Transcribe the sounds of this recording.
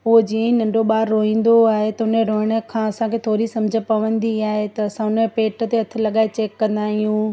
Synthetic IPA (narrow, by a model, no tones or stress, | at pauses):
ʊod͡ʑiːə̃nɐ̃ɳɖoɓaːɾːoɦĩːn̆d̪oaːɦet̪ɐʊneɾoɦɪɽ̃ə̆kʰãːɐsãkʰet̪ʰoːɾisɐ̃md͡ʑʱə̆pɐʋə̃nd̪iaːɦet̪ɐɐsãʊnepeːʈə̆t̪eɐt̪ʰɪ̆lɐɠaːet͡ɕeːkːɐ̃nd̪aːɦijũ